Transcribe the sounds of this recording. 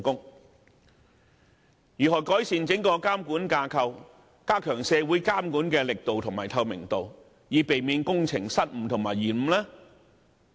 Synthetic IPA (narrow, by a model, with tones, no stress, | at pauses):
kʊ˥ŋ | jyː˨˩ɦɔː˨˩jkɔː˨˥jsiː˨˧nt͡sɪ˨˥ŋkɔː˧kaː˥mkuː˨˥nkaː˧kʰɐ˧w | kaː˥kʰœː˨˩ŋsɛː˧wuː˨˥jkaː˥mkuː˨˥nkɛː˧lɪ˨k̚t̪o˨wt̪ʰʊ˨˩ŋmaː˨˩jt̪ʰɐ˧wmɪ̰˨˩ŋt̪o˨w | jiː˨˧pe˨jmiː˨˧nkʊ˥ŋt͡sʰɪ˨˩ŋsɐ˥t̚m̩ː˨˩t̪ʰʊ˨˩ŋmaː˨˩jiː˨˩nm̩˨˧lɛː˥